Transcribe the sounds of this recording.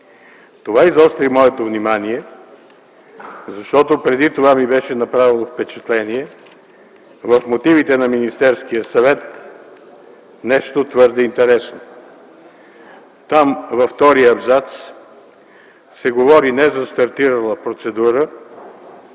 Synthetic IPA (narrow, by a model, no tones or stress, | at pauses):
t̪ovaizɔst̪ɾimɔɛt̪ovnimaniɛ | zɐʃt̪ɔt̪opɾɛd̪it̪ovamibɛʃɛnɐpɾavilˠofpɛt͡ʃɛ̥t̪lɛniɛ | vəfmot̪ivit̪ɛnɐminist̪ɛɾskijəsɐvɛt̪ | nɛʃt̪ot̪vɤɾd̪ɛint̪ɛɾɛsno | t̪amvɐft̪ɔɾijəːbzat̪s | sɛɡovɔɾinɛzɐst̪ɐɾt̪iɾɐlˠəpɾot̪sɛd̪uɾə